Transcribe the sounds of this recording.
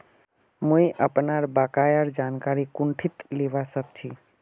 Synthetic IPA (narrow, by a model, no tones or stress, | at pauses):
mũeʔəpnaɾbakajaɾd͡ʒankaɾikʊɳʈʰit̪leʋasəkt͡ʃʰi